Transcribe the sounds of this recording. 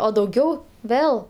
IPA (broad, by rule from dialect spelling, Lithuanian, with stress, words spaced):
oː dɐʊˈɡʲɛʊ ˈʋʲeːlˠ